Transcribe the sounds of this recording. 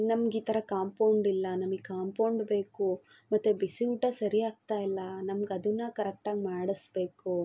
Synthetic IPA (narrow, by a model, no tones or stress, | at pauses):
nɐmɐɡiːt̪ʰɐɾɐkaːmpɐwɳɖilːɐnɐmɐɡikaːmpɐwɳɖbe̞ːku | mɐt̪ːubisiʈɐsɐɾijaːɡ̚t̪aːjilːɐnɐmɐɡɐd̪unːɐkɐɾek̚ʈaːɡmaːɽɐsbe̞ːku